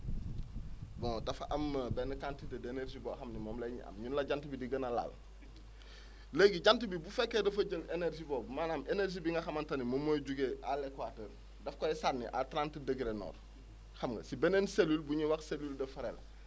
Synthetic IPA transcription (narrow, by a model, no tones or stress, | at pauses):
bɔ̃dɐfaʔɐmːbɛnəkantitedeneɾʒiboxɐmnimomlɐɲḭʔɐ̰mɲunlɐɟantibidiɡənala̰l | leɡiɟantibibufɛkːedɐfɐɟəleneɾʒiboːbmaːnamʔeneɾʒibiŋɡɐxɐmantɐnimomːoɟuɡealekwatəːɾ | dɐfkɔɛsaɾnḭʔa̰tɾantədəɡiɾenɔ̰ːɾ | xamɡɐ̰sibɛnenselulbuɲiwakseluldɐfɐɾḛl